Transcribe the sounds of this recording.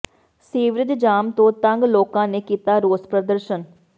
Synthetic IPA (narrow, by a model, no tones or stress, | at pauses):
siːʋɾɪd̪d͡ʒaːmt̪õːt̪əŋɡloːkãːneːkiːt̪aːɾoːspɾəd̪əɾʃən